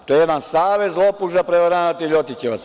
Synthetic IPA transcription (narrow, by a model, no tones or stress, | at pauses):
t̪ojejed̪ansaːʋezzlˠopuʒapɾeʋaɾanat̪iʎot̪it͡ɕeʋas